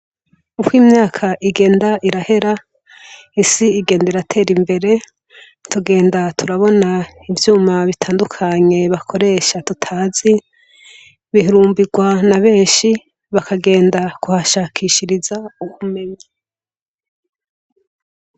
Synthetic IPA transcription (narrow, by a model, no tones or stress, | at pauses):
upwiːmɲaːkʰaʔiɡe̞ːndaʔiɾahe̞ɾa | isiːɡe̞ːndaiɾatʰe̞ːɾimbe̞ɾe̞ | tʰuɡe̞ːndatʰuɾaβo̞na | ivjuːmaβitʰaːndukʰaɲe̞βakʰo̞ɾe̞ʃatutʰaːzi | βiɦiɾuːmbiɡwanaβe̞ːɲʃi | βakaɡe̞ːndakuhaʃaːkʰiʃiɾizauhume̞ɲe